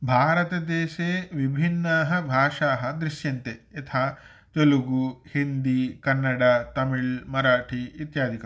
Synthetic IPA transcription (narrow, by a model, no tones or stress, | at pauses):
bʱaːɾɐt̪ɐd̪eːʃeːʋibʱinːɐɦɐbʱaːʂaːɦɐ̆d̪ɾiʃjɐnt̪eːt̪ʰaː | t̪oluɡuhind̪ikɐnːɐɽaːt̪ɐmiɭmɐɾaːʈʰiit̪jaːd̪ʱikɐ